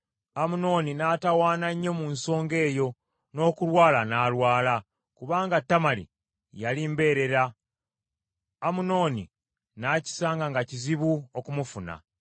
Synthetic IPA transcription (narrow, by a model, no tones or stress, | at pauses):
amuno̞ːninatawaːnaɲːo̞munso̞ːŋɡe̞ːjo̞ | no̞ːkulwaːlanaːlwaːla | kuβaːŋɡatːamalḭ | jalimbe̞ːɾe̞ɾa | muno̞ːnḭ | naːci̥saːŋɡaŋɡaciziβuokumufuna̰